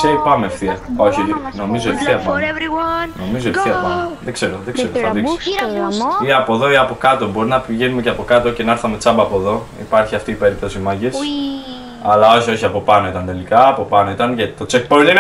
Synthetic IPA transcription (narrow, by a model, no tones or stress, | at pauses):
seipɐmefθiɐoçino̞mizoefθiɐpɐɾno̞mizoeθθiɐpɐnoðeɡ̥se̞ɾoðeɡzeɾoθɐðiksi̥ | iɐpo̞ðo̞iɐpo̞kɐt̪o̞bo̞ɾinɐpiʝenumeceɐpo̞kɐt̪o̞ce̞nɐeɾθɐme̞t͡sɐbɐːpo̞ðo̞ | ḭpɐɾçiɐft̪iːpe̞ɾip̚t̪o̞simɐʝis | ɐlɐo̞çio̞çiɐpo̞pɐno̞it̪ɐnt̪e̞likɐːpo̞pɐno̞it̪ɐnʝɐt̪i̥t̪o̞t͡sek̚poɾnin